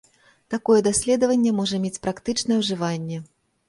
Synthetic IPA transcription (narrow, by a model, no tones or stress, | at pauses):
t̪akɔjɛd̪asʲlʲɛd̪ɐvɐnʲːɛmɔʐɐmʲet͡sʲpɾakt̪ɨt͡ʂnɐjɛwʐɨvanʲːɛ